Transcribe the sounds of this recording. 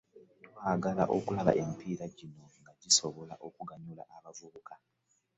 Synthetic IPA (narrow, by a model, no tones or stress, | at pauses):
twaːɡala̰ʔo̞kulaβa̰ʔemipiːɾaɟino̞ŋɡaɟiso̞βo̞la̰ʔo̞kuɡaɲula̰ʔaβavuβuka